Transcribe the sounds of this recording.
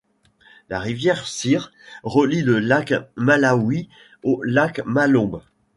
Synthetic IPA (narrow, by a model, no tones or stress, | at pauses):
laʁivjɛʁsiʁ | ʁəliləlakmalawi | olakmalɔ̃b